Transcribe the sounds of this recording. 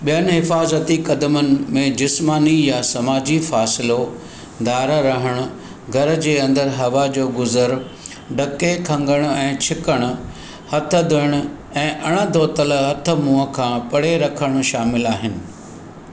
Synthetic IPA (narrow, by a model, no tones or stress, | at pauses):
ɓijənɪ̆ɦɪfaːzət̪ikɐd̪əmənɪ̆mẽd͡ʑɪsmaːnijasɐmaːd͡ʑifaːsɪlo | d̪aːɾɾɐɦəɽ̃ʊ̆ | ɡʱɐɾ̆d͡ʑeːɐ̃nd̪əɾɦɐʋad͡ʑoːɡʊzəɾ | ɖɐkekʰɐ̃ŋɡəɽ̃ʊ̆ɛ̃ːt͡ɕʰɪkəɽ̃ʊ̆ | hɐt̪ʰə̆d̪ʱɪɽ̃ʊ̆ | ɛ̃ːʔɐɽ̃əd̪ʱoːt̪əlɦɐt̪ʰə̆mũːə̆kʰãːpɐɽ̤eɾɐkʰəɽ̃ʊ̆ʃaːmɪlaːɦɪnɪ̆